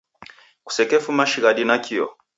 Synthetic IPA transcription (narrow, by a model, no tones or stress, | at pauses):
ku̥sɛkɛfumaʃiɣaɗinakiɔ̰